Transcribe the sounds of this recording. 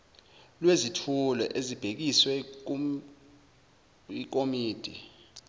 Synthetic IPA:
lwezitʰulɔ̰ʔezib̥ʱek̬iswɛ | ik̬omiːd̥ʱḭ

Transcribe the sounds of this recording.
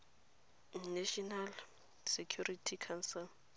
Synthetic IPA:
naʃɔnal | sekʰjuritʰikʰansɛl

